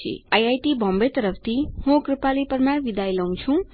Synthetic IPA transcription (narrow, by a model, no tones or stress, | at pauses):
ḭajajʈibʱʌmbet̪ʌɾʌpʰt̪ʰihõkripalipʌrmarʋid̪ajlaw̃t͡sʰũ